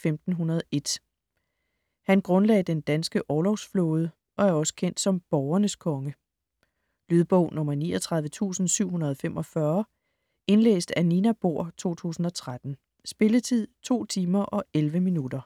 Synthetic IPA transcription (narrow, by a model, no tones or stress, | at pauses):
femd̥n̩ɦunɐð̞ˠe̝d̥ | hænɡ̥ʁɔ̽nlɛ̰ːɪd̥end̥ænsɡ̥əʔɒːlɒʊsfloːð̞ˠə | ʔɒ̽æɐɒ̽sə̥kʰen̰d̥sɒ̽mb̥ɒʊɐnəskʰɒ̽ŋə | lyð̞ˠb̥ɔʊ̰nɔ̽mɐniːɒt͡sʰʁɑðˠʋət͡sʰṵːsn̩syʊ̰ɦunɐð̞ˠfemʔɒ̽fɶɐ | e̝nlḛːsd̥æninæb̥o̝̰ɐ̰t͡sʰo̝̰ːt͡sʰṵːsn̩ɒ̽t͡sʰʁad̥n̩ | sb̥e̝lət͡sʰið̞̰ˠt͡sʰo̝̰ːt͡sʰiːmɐʔɒ̽elʋəminud̥ɐ